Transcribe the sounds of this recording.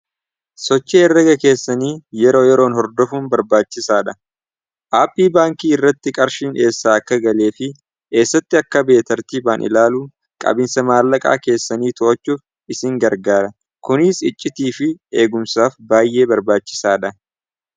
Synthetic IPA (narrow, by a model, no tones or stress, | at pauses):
sɔt͡ʃːeːɛrːɐɡɐke̞ːsːɐniːjɛɾo̞ːjɛɾo̞ːnhɔɾd̪ɔfuːnbɐɾbaːt͡ʃːɪsaːᶑɐ | ʔaːpːiːbaːŋkiːɪrːɐt̪ːɪkʼɐɾʃiːnʔe̞ːsːaːɐkːɐɡɐle̞ːfɪ | ke̞ːsːɐt̪ːɪɐkːɐbe̞ːt̪ɐɾt̪iːbaːnʔɪ̰laːluː | kʼɐ̰bɪnsɐmaːlːɐkʼa̰ːke̞ːsːɐniːt̪oʔɐt͡ʃːuːf | ɪsɪŋɡɐɾɡaːɾɐ | kʊnɪːsɪt͡ʃʼːɪt̪iːfɪeːɡʊmsaːfbaːjːe̞ːbɐɾbaːt͡ʃːɪ̥saːᶑɐ